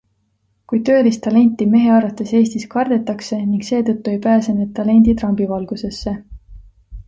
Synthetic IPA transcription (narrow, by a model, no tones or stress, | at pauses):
kujt̪ø̞ːlist̪ɑle̞nʲt̪ːˑime̞ɦe̞ɑɾvɑt̪ːˑese̞ːst̪iskɑrd̪̥e̞t̪ːˑɑkse̞niŋɡ̥se̞ːt̪ɤt̪ːue̞jpæːse̞ned̪̚t̪ːɑle̞nʲd̪̥it̪rɑmb̥ivɑlɡ̥use̞sːe̞